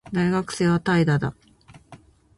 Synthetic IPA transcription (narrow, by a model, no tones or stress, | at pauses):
d̪aiɡakɯ̟̥se̞ːβat̪aid̪ad̪a̰